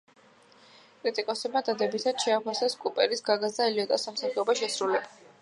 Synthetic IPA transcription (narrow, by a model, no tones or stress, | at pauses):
kʼɾit̪ʼikʼɔsɛb̚mad̪ad̪ɛbit̪ʰad̪̥ʃɛapʰasɛskʼupʼɛɾisɡaɡazd̪ailiɔt̪ʼasamsaχɛɔbaʃɛsɾulɛba